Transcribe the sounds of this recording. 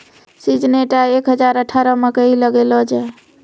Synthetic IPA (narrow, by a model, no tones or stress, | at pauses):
sid͡ʒneʈaekɦəd͡ʒaɾəʈʰaɾɔmekəiləɡelɔd͡ʒa